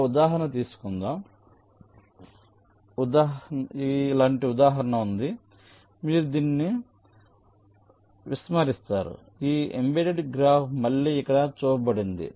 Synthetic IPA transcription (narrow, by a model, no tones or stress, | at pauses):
ud̪aːɦɐɾɐnɐt̪iːsu̥kund̪a | ud̪aːilaːɳʈiud̪aːɦɐɾɐɳɐund̪i | miːɾud̪iːnːi | ʋismɐɾist̪aːɾṵ | iːembeʈeɖɡɾaːpmɐɭːiːkːɐɽɐt͡ʃuːɾɐbɐɽind̪ḭ